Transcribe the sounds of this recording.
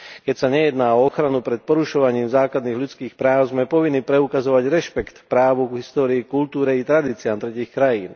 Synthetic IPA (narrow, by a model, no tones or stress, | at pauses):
kɛcsaɲɛjɛd̪naːɔɔxɾanupɾɛt̪̚pɔɾuʃɔʋaɲiːmzaːklad̪niːɣʎut͡skiːxpɾaːʊzmɛpɔʋinːipɾɛukazɔʋaɟɾɛʃpɛkt̪pɾaːʋuɡɦist̪ɔːɾiːkult̪uːɾɛit̪ɾad̪iːt͡siaːmt̪ɾɛciːxkɾajiːn